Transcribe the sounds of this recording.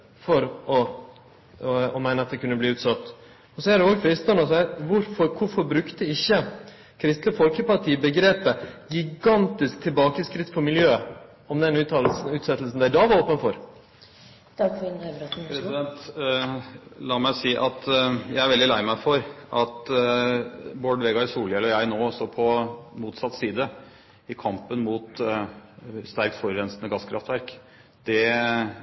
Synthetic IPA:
fɔɾɔ | ɔmæɪnəɑt̪̚d̪ɛkʰʉnːəbliːʉːt̪sɑt̪ː | ɔsɔæɖɛʊʋɾfɔɪst̪ɑnɔsæʋʊɾfɔɾkʊɾfɔɾbɾʉkt̪əɪçːə | kʰɾɪst̪ləfɔlkəpɑʈʰiːbəɡɾeːpəɡɪɡɑnt̪ɪsk̚t̪ʰɪlbɑːkəskɾɪt̪ːfʰɔɾmɪljøː | ɔmd̪ɛnʉːt̪ʰɑːll̩sʉːt̪sɛt̪ːl̩sn̩d̪æɪd̪ɑːʋɑɾoːpənfɔɾ | t̪ʰɑkfnøɾɔt̪pʰɾɛsɪd̪ɛnt̪ | lɑːmæɪsiːʔɑt̪jæɪæɾʋɛld̪ɪlæɪmæɪfɔɾʔɑt̪ | boːɖʋeːɡɑɪsuːlɛlɔjæɪnoːɔsɔpʰɔmuːt̪sɑt̪ːsiːd̪ə | ɪkʰɑmpənmuːt̪ | st̪æɾk̚t̪fɔɾɾɛnsnəɡɑskʰɾɑft̪ʋæɾk | d̪̥ɛ

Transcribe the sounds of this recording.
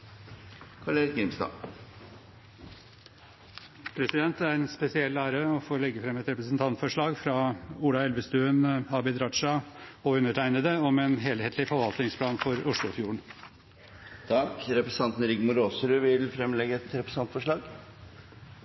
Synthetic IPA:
kʰɑleɾɡɪmst̪ɑ̰ː | pʰɾɛsɪd̪ɛnt̪æɾɛnspɛsɪɛlːæːɾəɔfoːlɛɡːəfɾɛmɛt̪ɾɛpɾəsnt̪ʰɑnt̪fɔʂɭɑːɡfɾɑuːlɑɛlʋəst̪ʉːənɑːbɪd̪ɾɑt̪ʂɑɔʉnːəʈʰæɪnəd̪əɔmɛnɦeːlheːt̪ʰlɪfɔɾʋɑlt̪nɪŋspʰlɑːnfɔɾʊʂɭʊfjuːɳ̩ | t̪ʰɑkɾɛpɾəsɑnt̪n̩ɾɪɡmʊɾoːsəɾʉʋɪlfɾɛmlɛɡəɛt̪ɾɛpɾəsɑnt̪fɔʂɭɑːɡ

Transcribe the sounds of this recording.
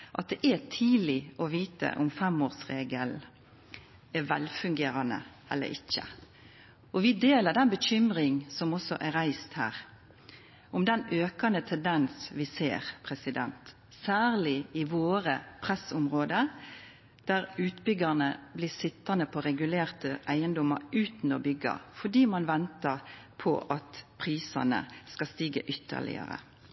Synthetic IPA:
ʔɑt̪̚d̪ɛʔɛt̪ʰiːlɪʔɔʋiːt̪ə̰ʔʊmfɛmoːʁsʁeːɡəl | ɛʋɛlfʉŋɡeːɾɑnə̰ | ɛ̰lːə̰ɾɪ̰çːə̰ | ʔɔʋɪd̪eːləd̪ɛnbəɕʏmɾɪŋsɔmɔsɔʔæɾæɪst̪hæ̰ːʁ | ʔʊmd̪ɛnøːkɑnət̪ʰɛnd̪ɛnsʋɪsḛːɾpʰɾɛsɪd̪ɛ̰nt̪ | sæːʁlɪɪʋoːɾəpʰʁɛsʊmʁoːd̪ə | d̪̥æɾʉːt̪bʏɡɑnəblɪsɪt̪ːɑnəpʰɔɾɛɡʉleːʁt̪əʔæɪənd̪ɔmɑɾʉːt̪n̩ɔbʏɡːɑ̰fɔɖ̪iːmɑnʋɛnt̪əʁpʰɔ̰ʔɑt̪pʰʁiːsɑ̰nə̰skɑst̪iːɡə̰ʔʏt̪ʰːə̰ɭɪ̰ə̰ɾə̰

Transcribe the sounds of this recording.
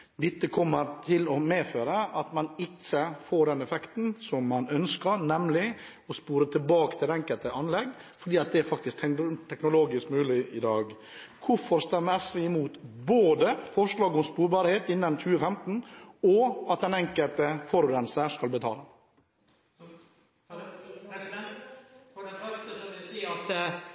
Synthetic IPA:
d̪ɪt̪ːəkʰɔmːəɾt̪ʰɪlɔmeːføːɾəʔɑt̪mɑnɪt͡ʃːəfoːɖɛnɛfɛkt̪n̩sɔmːɑnœnskəɾnɛmlɪ | ɔspuːɾət̪ʰɪlbɑːkət̪ʰɪlɛŋkəlt̪əʔɑnlɛɡ | fɔɖiːɑt̪̚d̪ɛæɾfɑk̚t̪ɪskʰt̪ʰɛknʊloːɡɪskmʉːlɪʔɪd̪ɑːɡ | kʰʊfɔɾst̪ɛmɛsʋɪɪmuːt̪boːd̪əfɔʂɭɑːɡɔmspuːɾbɑɾheːt̪ɪnːənc͡çʉːəfɛmt̪n̩ɔɑt̪̚d̪ɛnɛŋkəlt̪əfɔɾʋɛnsəʂkɑlbət̪ʰɑ̰ːlɑ | ɔɛfst̪əssɑt̪

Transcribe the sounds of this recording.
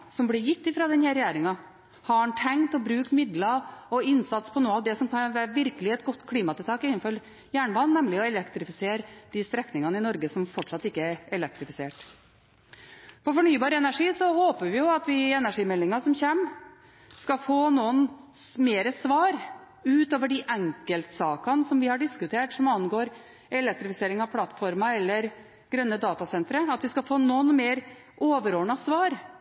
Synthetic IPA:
sɔmblɪjɪt̪ːɪfɾɑːd̪ɛnhæɾɛjeːɾɪŋɑ | hɑɑnʈ̪ʰɛŋt̪ɔbɾʉːkt̪mɪd̪lɑɔɪnsɑt̪spʰɔnuːɑʋd̪ɛsɔmkʰɑnʋæːɾəʋɪɾkəlɪɛt̪ɡɔt̪ːkʰliːmɑt̪ɪlt̪ɑːkɪnənfɔɾ | jæːɳəʋɑnːnɛmlɪɔɛlɛkt̪ɾɪfɪseːɾd̪̥ɪst̪ɾɛknɪŋɑnəɪnɔɾɡəsɔmfɔʈʂɑt̪ːɪkːəæɾɛlɛk̚t̪ɾɪfɪseːʈ | pʰɔfɔɳyːbɑːɾəɛnæʂiːsɔhoːpəʋɪjʊɑt̪ʋɪɛnæʂiːmɛlːɪŋɑsɔmçeːm | skɑfoːnuənmeːɾəsʋɑːɾ | ʉːt̪oːʋəɖɪʔæŋkəlt̪sɑːkɑnsɔmʋɪhɑɖɪskʉt̪ʰeːʈsɔmɑnːɡoːɾ | ɛlɛk̚t̪ɾɪfɪseːɾɪŋɑʋpʰlɑt̪ːfɔɾmɑɛlːəɾ | ɡɾœnːəd̪ɑːt̪ɑsɛnt̪ɾəɑt̪ʋɪskɑfoːnɔnmeːɾ | ʔoːʋəɾɔːɳɑsʋɑːɾ

